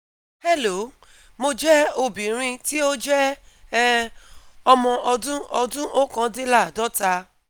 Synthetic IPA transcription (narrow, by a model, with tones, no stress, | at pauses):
hɛ˦˨lo˨˦ | mo˧d͡ʒɛ˦o˨bĩ˨ɾ̃ĩ˧ti˦o˦d͡ʒɛ˦ | ɔ˧mɔ̃˧ɔ˧dũ˦ɔ˧dũ˦ʔo˦kã˧˦de˦la˦˨dɔ˦ta˧